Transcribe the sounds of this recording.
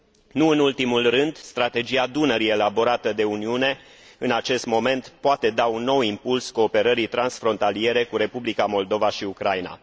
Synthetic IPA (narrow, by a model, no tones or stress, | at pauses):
nuɨnult̪imulrɨnd̪st̪ɾat̪e̞d͡ʒiad̪unəɾie̞labo̞ɾat̪əd̪e̞uniune̞ | ɨnat͡ʃe̞st̪mo̞me̞nt̪poat̪e̞d̪aunːo̞wimpulsko̞ːpe̞ɾəɾijt̪ɾansfɾo̞nt̪alie̞ɾe̞kuɾe̞publikamo̞ld̪o̞vaʃiukɾajna̰